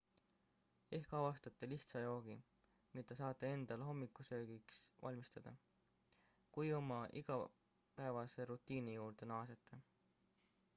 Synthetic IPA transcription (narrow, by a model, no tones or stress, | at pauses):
e̞hkɑvɑst̪ɑt̪ːˑeliht̪sɑjo̞ːɡ̥i | mit̪ːˑɑsɑːt̪ːˑee̞nd̪̥ɑlɦo̞mːikːˑusø̞ːɡ̥iksvɑ̰lʲmist̪ɑd̪̥ɑ | kujo̞mɑʔiɡ̥ɑ | pæevɑse̞ɾut̪ːˑiːnijuːɾd̪̥e̞nɑːset̪ʰˑːe